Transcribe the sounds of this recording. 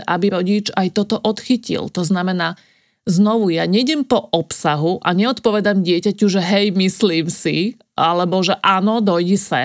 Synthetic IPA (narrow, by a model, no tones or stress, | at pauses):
ʔabiɾɔɟit͡ʃajt̪ɔt̪ɔʔɔt̪xicḭlt̪ɔznamɛnaː | znɔʋujaɲɛɟɛmpɔʔɔpsaɦuʔa̰ɲɛɔt̪pɔʋɛd̪amɟɪɛcacuʒɛɦɛjmisliːmsḭ | alɛbɔʒɛʔaːnɔd̪ɔjɟisɛ̰